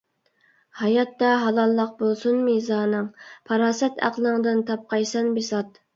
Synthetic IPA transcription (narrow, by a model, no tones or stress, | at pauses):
hɑjɑt̪ːɑɦɑlˠɑlˠːəq̚bolˠsunmizɑːnɨŋpʰɑɾɑːsɛt̪ʰæ̰qlˠəŋd̪ɨnt̪ʰɑp̚qʰɑjsɛnbesɑt̪